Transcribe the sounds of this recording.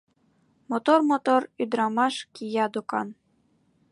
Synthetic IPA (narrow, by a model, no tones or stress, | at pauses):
mot̪ormot̪oryd̪ɾɑmɑʃkʲijɑd̪ukɑ̰n